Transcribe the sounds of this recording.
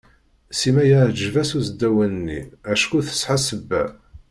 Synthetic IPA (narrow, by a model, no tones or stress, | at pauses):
simæjəʕd͡ʒvæsuzəd̪ːæwənənːḭæʃkuθə̥sħasəbːæ̰